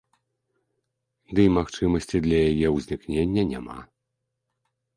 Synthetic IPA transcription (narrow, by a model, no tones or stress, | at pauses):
d̪ɨimaxt͡ʂɨmɐsʲt͡sʲid̪lʲɐjajɛwzʲnʲiknʲenʲːɐnʲama̰